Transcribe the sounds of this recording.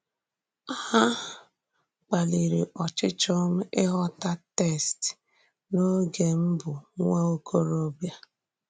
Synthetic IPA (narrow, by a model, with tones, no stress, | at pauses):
a˦a˦ | k͡pa˨li˨ɾi˨ʔɔ˨t͡ʃɪ˦t͡ʃɔ˦m̩˦ɪ˦ɦɔ˦ta˦te˦˨st | no˦ɡe˨m̩˦bʊ˨ŋʷa˦o˦kʰo˦ɾo˦bja˨